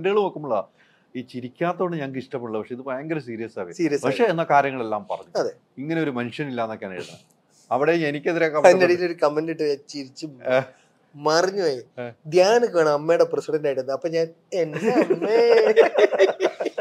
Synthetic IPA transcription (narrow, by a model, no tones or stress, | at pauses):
ndɐɣɐɭumokːɐmuɭːɐ | iːt͡ɕiɾikʲːaːt̪ːɐoɳɖɨɲaːnkiʂʈɐpːeʈuɭːɐpɐkʂeiðɨpojɐŋɡɐɾums̬iːɾijɐsaːɣɐsiːɾijɐspːaɐkʂeːnːɐkaːɾjɐŋːɐɭelːaːmpɐrɐɲːuɐðe | iŋːɐneo̞ɾumenʂɐnilːaːnːokːaːna̰ːjɽunːɐ | ɐʋiɽeenikʲːeðiɾekɐmɐnːɐɽijiloɾukɐmendiʈːɨɐt͡ɕiɾit͡ɕːu | mɐrɐɲːuʋaːjid̪jaːnɨkːaːɳɐmɐmːejɽeprɐsiɽɐndaːjʈunːɨɐpːoːɲaːn | enːeɐmːe